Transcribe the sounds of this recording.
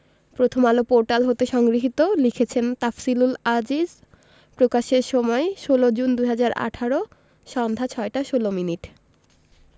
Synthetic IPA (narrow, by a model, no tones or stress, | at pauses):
pɾot̪ʰomalopoɾʈalɦot̪eʃɔŋɡɾiɦit̪olikʰet͡ɕʰent̪afsilulad͡ʑid͡ʑ | pɾokaʃeɾʃɔmɔeʃolod͡ʑund̪uɦad͡ʑaɾa̰ʈʰaɾo | ʃɔnd̪ʱat͡ɕʰɔeʈaʃolominiʈ